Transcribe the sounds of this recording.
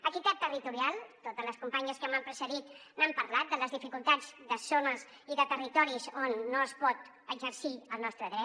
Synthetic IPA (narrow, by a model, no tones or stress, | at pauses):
əkit̪ɛt̪ːərit̪uɾialˠt̪ot̪əzləskumpaɲəskəmampɾəsəðit̪nampəɾlat̪̚d̪ələzðifikulˠt̪ad͡zd̪əsonəz | iðət̪ərit̪ɔɾizonːoəspɔt̪ | əɡzəɾsiəlˠnɔst̪ɾəðɾɛ